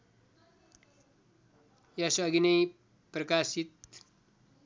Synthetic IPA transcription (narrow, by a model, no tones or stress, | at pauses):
jasʌɡinɐj | prɐkasit̪̚